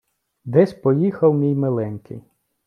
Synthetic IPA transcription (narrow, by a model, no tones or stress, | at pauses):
d̪ɛsʲpɔjixɐwmʲijmelˠɛnʲkɪ̰j